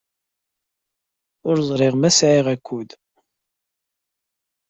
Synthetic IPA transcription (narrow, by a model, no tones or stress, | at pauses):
ʊɾzˤɾˤɪʁmæsʕiʁækʰʷːud̪